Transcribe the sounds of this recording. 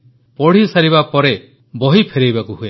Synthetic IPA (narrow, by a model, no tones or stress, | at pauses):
pɔɽ̤isaɾiβapɔɾe | bɔɦipʰeɾejbakuɦue